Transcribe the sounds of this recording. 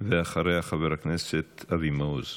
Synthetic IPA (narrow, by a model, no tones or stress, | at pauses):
veaχaɾejaχaveɾakneset̪avimoz